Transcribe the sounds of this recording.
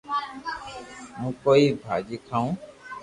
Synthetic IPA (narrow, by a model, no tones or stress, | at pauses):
mũkoibʱa̰ːd͡ʒikʰaũː